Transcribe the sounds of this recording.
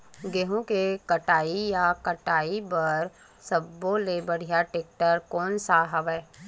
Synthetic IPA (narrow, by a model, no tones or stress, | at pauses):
ɡeɦõkekəʈaːijakəʈaːibəɾ | səbːõlebəɽ̤ijaʈeːk̚ʈəɾkɔːnsaɦɐʋɛː